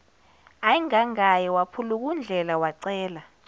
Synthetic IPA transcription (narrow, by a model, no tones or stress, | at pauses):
ajiŋaŋajɛwapʰuluk̬und͡ɮʱɛlawaǀɛːla